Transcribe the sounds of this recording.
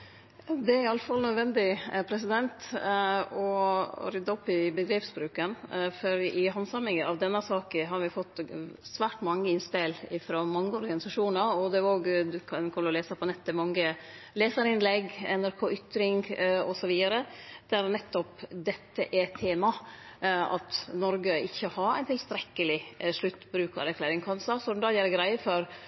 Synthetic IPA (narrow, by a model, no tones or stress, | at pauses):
d̪ɛæɾɑlfɑlnœd̪ʋɛnd̪ɪpʰɾɛsɪd̪ɛnt̪ | ɔ̰ɾʏd̪ːɑɔpːɪbəɡ̪ɾeːpsbɾʉːkənfɔɾɪɦɑnsɑmɪŋəɑʋd̪ɛnːəsɑːkəɦɑɾʋɪfɔt̪ːsʋæːʈmɑŋːəɪnspɛlɪfɾoːmɑŋːəɔɾɡɑnɪsɑʂuːnɑɾɔd̪ɛoːɡd̪ʉkʰɑnkʰɔmləɾɔleːsəpʰɔnɛt̪ːəmɑŋːə | leːsəɾɪnlɛɡɛnæɾkʰoːʔʏt̪ːɾɪŋɔsɔʋiːd̪ɑɾəd̪̥æɾnɛt̪ːɔpd̪ɛt̪ːəʔɛt̪ʰeːmɑ | ɑ̰t̪nɔɾɡəɪçːəhɑɾæ̰ɪnt̪ʰɪlst̪ɾɛkːəlɪʂɭʉt̪ːbɾʉːkɑ̰ɾɛɾkʰlæːɾɪŋkʰɑnsɑsɔmd̪ɑjæːɾɡɾæɪəfɔɾ